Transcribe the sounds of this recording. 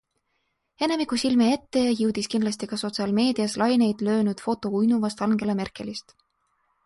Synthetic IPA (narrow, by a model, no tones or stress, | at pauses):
e̞ne̞mikːˑusilmee̞t̪ːe̞jɑjɯwd̪̥iskinlɑst̪ikɑso̞t̪siɑlme̞ːd̪̥iɑslɑjne̞jd̪̥lø̞ːnud̪̥fo̞t̪ːˑo̞ujnuvɑst̪ɑŋɡ̥e̞lemerkˑe̞list̪